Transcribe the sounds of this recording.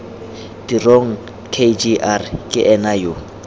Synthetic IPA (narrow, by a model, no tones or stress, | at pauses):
d̥iroŋ̩ | kʰed͡ʒiʔarkʼɪʔɛnajo